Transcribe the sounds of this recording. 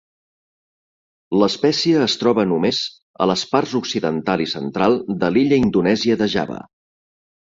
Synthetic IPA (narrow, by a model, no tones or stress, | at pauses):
ləspɛsiəːst̪ɾɔβənumez | ə̰ləsparzuksiðənt̪alˠisənt̪ɾalˠd̪əliʎəind̪unɛziəðəʒa̰βə̰